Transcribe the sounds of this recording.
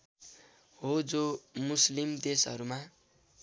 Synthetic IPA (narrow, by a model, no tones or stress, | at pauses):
ɦod͡zomuslimd̪esʌ̰ɾuma